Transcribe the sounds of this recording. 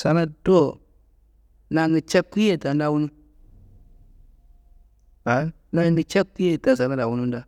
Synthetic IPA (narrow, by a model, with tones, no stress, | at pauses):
sa˨na˦do˦ | na˨ŋɡi˨t͡ʃe˦kkːu˦je˦˨ta˨nda˦˨wu˦nu˦ | a˨ | na˦ŋɡi˨t͡ʃe˦kkːu˦je˦˨ta˨sa˨na˦da˨wu˦nu˦n˦da˦